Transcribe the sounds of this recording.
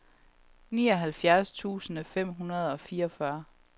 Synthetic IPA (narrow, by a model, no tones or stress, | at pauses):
niːɒ̽ɦælfjæɐst͡sʰṵːsənəfem̰ɦunɐð̞ˠɒ̽fiːɐɒfɶɐ